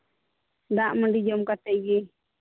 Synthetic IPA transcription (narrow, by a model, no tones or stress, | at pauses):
d̪aʔməɳɖid͡ʒɔmkat̪ɛjɡɛ